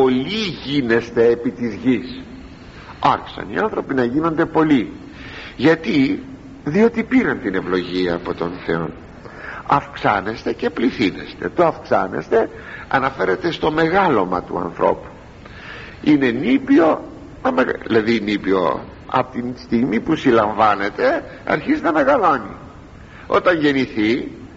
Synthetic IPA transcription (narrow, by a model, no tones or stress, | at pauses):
po̞liʝine̞st̪e̞ːpit̪izʝis | ɐɾçi̥sɐ̰niɐ̰nθɾo̞pinɐʝino̞nd̪e̞po̞li | ʝɐt̪i | ðio̞t̪ipiɾɐnt̪ine̞vlo̞ʝiɐːpo̞t̪o̞nθe̞o̞̰n | ɐfksɐne̞st̪e̞ce̞pliθine̞̰st̪e̞̰t̪oɐfksɐ̰ne̞̰st̪e̞ | ɐ̰nɐfe̞ɾe̞t̪est̪o̞me̞ɣɐlo̞mɐt̪ṵɐ̰nθɾʔo̞̰pu̥ | ine̞nipio̞ | nɐmeɣlɐðinipio̞̰ | ɐ̰pot̪inst̪iɣmipusilɐɱvɐne̞t̪e̞ | ɐ̰ɾçiznɐme̞ɣɐlo̞ni | o̞̰t̪ɐɲʝe̞niθi